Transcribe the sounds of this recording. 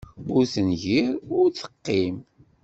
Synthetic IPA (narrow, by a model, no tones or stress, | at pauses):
ʊɾθənʝiɾʊɾt͡sə̥qːim